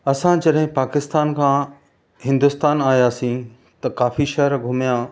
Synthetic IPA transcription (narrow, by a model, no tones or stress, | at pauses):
ɐsãd͡ʑɐɗɦɪ̃paːkɪst̪aːnkʰãː | ɦɪ̃nd̪ʊst̪aːnaːjaːsĩ | t̪ɐkaːfiʃɛɦəɾɡʱʊmijãː